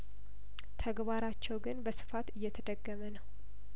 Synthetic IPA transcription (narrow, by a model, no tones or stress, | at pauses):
t̪ʰəɡbaɾat͡ʃːɛwɡɨnbəsɨ̥fat̪ɨjːɛt̪ʰəd̪əɡːəmənəw